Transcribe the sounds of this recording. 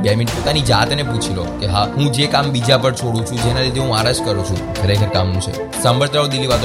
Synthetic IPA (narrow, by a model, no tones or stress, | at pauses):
beminpot̪anid͡ʒat̪neput͡ʃʰilo̰keɦaɦũd͡ʒekambid͡ʒapəɽt͡ʃʰoɽũt͡ʃʰũd͡ʒenalid̪ʱeɦũaɾad͡ʒkəɾũt͡ʃʰṵ̃kʰəɾekʰəɾkamːũt͡ʃʰḛ | sə̃mʋəɾt̪ɾaod̪ilːiʋad̪